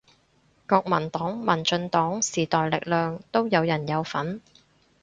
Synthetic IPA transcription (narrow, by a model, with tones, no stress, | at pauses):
kɔː˧k̚mɐ˨˩nt̪ɔː˨˥ŋmɐ˨˩nt͡ʃɵ˧nt̪ɔː˨˥ŋsiː˨˩t̪ɔː˨jlɪ˨k̚lœː˨ŋt̪o˥wjɐ˨˧wjɐ˨˩njɐ˨˧wfɐ˨˥n